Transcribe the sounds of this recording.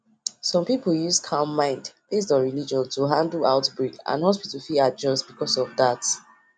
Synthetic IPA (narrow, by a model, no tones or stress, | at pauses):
sɔ̃mpipl̩juskʰaʊ̃mːãɪ̃ndb̥estɔ̃nɹilid͡ʒɔ̃ntuɦãndl̩aʊtbɹikã̰nhɔspitəfiad͡ʒɔstbikɔsɔvdat